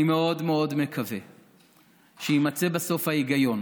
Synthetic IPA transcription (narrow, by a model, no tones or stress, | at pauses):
imeo̞d̪meo̞d̪me̞kʰave | ʃejimat͡sebaso̞fhajiɡajo̞n